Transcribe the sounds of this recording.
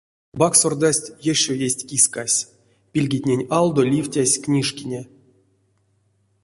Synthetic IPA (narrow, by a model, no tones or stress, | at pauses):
baksord̪asʲtʲjeʃojesʲtʲkʲiskasʲ | pʲilʲɡʲitʲnʲenʲɑlˠd̪olʲifʲtʲasʲknʲiʂkʲinʲe